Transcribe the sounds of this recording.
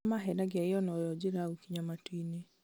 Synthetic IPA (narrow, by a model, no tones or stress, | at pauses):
maɦɛnaɡɛeɔnɔjɔd͡ʒeɾaukiɲamatwine